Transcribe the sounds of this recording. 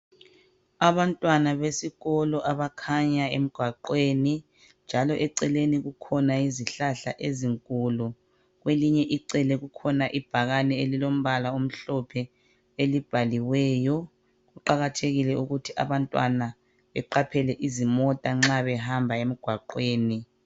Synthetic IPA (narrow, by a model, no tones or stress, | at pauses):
aβantʼwanaβesiɣɔlɔʔaβakʰaɲaem̩ɡ̥ʱwaǃweːni | nd͡ʒʱalɔʔɛǀɛleniɣukʰɔnaiziɬaɬa̰ʔeziŋkʼulu | ɣweliɲɛʔiǀɛlɛɣukʰɔnaʔib̥ʱaɣanɛelilom̩βalaom̩ɬɔpʰɛ | elib̥ʱaliwɛːjɔ | ɣuǃaɣatʰeɣilɛuɣutʰiʔa̰βantʼwana | βɛǃapʰɛlɛʔizimɔtʼaŋ͡ǁaβɛɦambʱaem̩ɡ̥ʱwaǃweːni